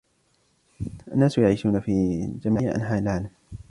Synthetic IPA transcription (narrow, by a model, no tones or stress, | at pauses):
ʔanːaːsʊjaʕiːʃuːnafiːd͡ʒamaːjaʔa̰nħaːɪlʕaːlam